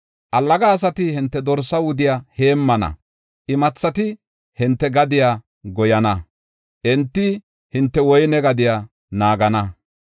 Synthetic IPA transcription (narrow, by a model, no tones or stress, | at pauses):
ʔɐlːɐɡaːs̬ɐt̪ɪhɪnt̪ːɛd̪ɔɾsɐwʊd̪ɪjahe̞ːmːɐnɐ̰ | ʔɪmɐt͡sːɐt̪ɪ | hɪnt̪ːɛɡɐd̪ɪja | ɡɔjɐnɐ | ʔɛnt̪ːɪ | hɪnt̪ːɛwɔjnɛɡɐd̪ɪja | naːɡɐnɐ